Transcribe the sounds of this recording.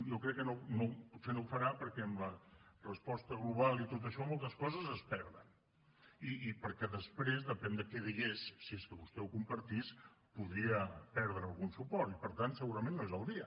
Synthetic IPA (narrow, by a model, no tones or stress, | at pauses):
jokɾɛkːənownowputsenowfəɾapəɾkɛəmlərəspɔst̪əɣluβ̞alˠit̪ot̪̬əʃɔmɔlˠt̪əskɔzəzəspɛɾðən | iːpəɾkɛðəspɾezðəpɛnd̪əkɛðiɣessiəskəβust̪ɛwkumpəɾt̪is | puðɾiəpɛɾð̞ɾəːlˠɣunsupɔɾt̪ipəɾt̪ant̪səɣuɾəmẽnːoezəlˠd̪iə